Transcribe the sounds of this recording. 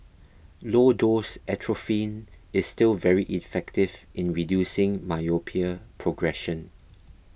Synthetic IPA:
lodosɛtʰɹofĩnɪsːtɪlvɛɹiʔifɛktɪvʔɪ̃nɹidjusɪ̃ŋmajopʰiəpʰɹoɡɹɛʃə̃n

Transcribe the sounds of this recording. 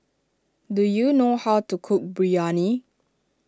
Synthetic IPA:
dujunohaʊtukʰʊk̚bɹiani

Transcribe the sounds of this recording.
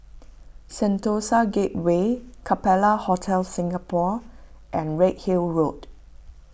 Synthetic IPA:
sɛ̃ntosaɡet̚wekʰapɛlahɔtʰɛlsĩŋapʰɔ | ʔɛ̃nɹɛʔ̚hilɹot

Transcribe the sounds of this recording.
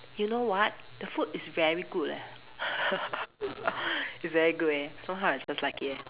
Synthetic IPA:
junowɔt̚ | d̥əfutɪsvɛɹiɡulɛ̰ | ɪtsvɛɹiɡutesʌ̃mɦaʊɪtsd͡ʒ̥aslaɪkʰi

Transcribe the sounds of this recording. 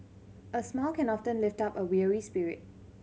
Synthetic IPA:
ʔəsmɛlkɛ̃nɔftə̃nlɪftapəwiəɹispiɹɪ̰t̚

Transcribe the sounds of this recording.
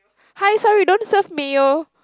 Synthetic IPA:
hajsɔɹidõnsəfmeo

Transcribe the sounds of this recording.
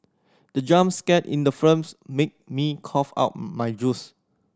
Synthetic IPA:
d̥əd͡ʒãmskɛtḭ̃ndəfɹə̃msmek̚mikʰɔfa̰ʊt̚majd͡ʒus

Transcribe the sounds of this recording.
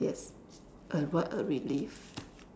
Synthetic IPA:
jɛs | ʔəwɔtəɹilif

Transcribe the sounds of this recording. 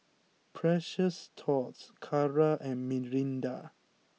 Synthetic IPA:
pʰɹɛʃəstʰɔtskʰaɹaʔɛ̃nmiɹĩnda

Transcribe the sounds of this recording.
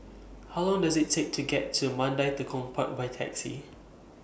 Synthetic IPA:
hawlɔ̃ŋdazɪtʰːek̚tʰuɡɛtʰːumãndajt̪əkʰɔ̃mpʰat̚bajtʰɛ̰ksḭ

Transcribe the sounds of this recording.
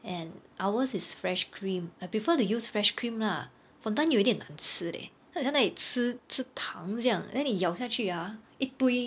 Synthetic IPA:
ɛ̃nʔawəsisfɹɛʃkʰɹĩmajpɹifətujusfɹɛʃkʰɹĩmla | fɔ̃dãnjuitĩnã̰nsɨdḛ | ãsãdait͡sʰɨt͡sʰɨtʰãŋsjãŋdɛ̃nitjaʊsjat͡ʃʰya | it̪uɪ

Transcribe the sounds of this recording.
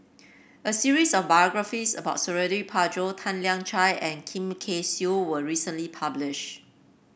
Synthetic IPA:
ʔəsiɹisɔfbajɔɡɹafisə̰baʊtsəɹɛdəɹipʰad͡ʒotʰãnljãŋt͡ʃaɪʔɛ̃nkʰĩmkʰesjuwəɹisə̃nlipʰablɪʃ

